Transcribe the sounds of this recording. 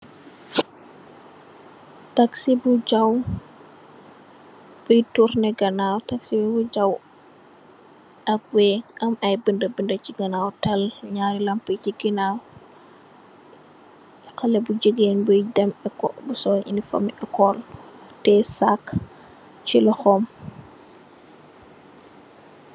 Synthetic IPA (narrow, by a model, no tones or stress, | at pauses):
taksibud͡ʒaw | bujtuɾnɛɡɐnawtaksibɛbud͡ʒaw | ɐk̚wɛɐmɐjbəndəbəndɐt͡ʃiɡɐnawtɐlɲaːɾilɐmpəjd͡ʒiɡinaw | kɐlɛbud͡ʒəɡenbujdɛmɛkɔbusɔʔḭnifo̰miʔɛkɔltɛsak | t͡ʃilɐxɔm